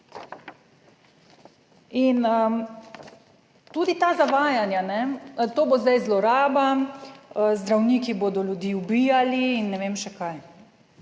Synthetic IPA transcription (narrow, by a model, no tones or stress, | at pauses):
inə | t̪ud̪it̪aːzaʋaːjanjanɛt̪oːbozd̪ajzlɔɾaːba | əzd̪ɾawniːkiboːd̪ɔlʲjud̪jiːubijaliːnːɛʋeːmʃɛkaj